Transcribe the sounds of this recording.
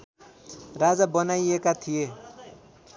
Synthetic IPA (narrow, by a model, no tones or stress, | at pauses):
rad͡zabʌnajekat̪ʰije